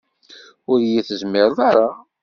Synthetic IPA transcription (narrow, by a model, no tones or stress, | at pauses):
ʊɾjiθəzmɪɾðˤaɾˤa